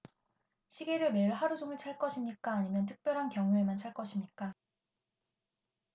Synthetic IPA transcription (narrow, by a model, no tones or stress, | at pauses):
ɕʰiɡeɾɯme̞ɯɭɦaɾud͡ʑoŋɯɭt͡ɕʰaɭk͈ʌɕʰimɲik͈aːɲimjʌntʰɯ̥k̚p͈jʌɾɦankjʌŋue̞mant͡ɕʰaɭk͈ʌɕʰimɲik͈a